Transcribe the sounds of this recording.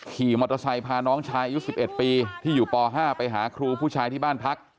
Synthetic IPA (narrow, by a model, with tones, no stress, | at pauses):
kʰiː˨˩mo˧˩t̪ːa˧sa˧jpʰaː˧nɔː˦˥ŋt͡ɕʰaː˦˥jʔa˧ju˦˥si˨˩p̚ʔe˨˩t̪̚piː˧t̪ʰiː˥˩juː˨˩pɔː˧ɦaː˥˩pa˧jɦaː˩˦kʰɾuː˧pʰuː˥˩t͡ɕʰaː˦˥jt̪ʰiː˥˩baː˥˩npʰa˦˥k̚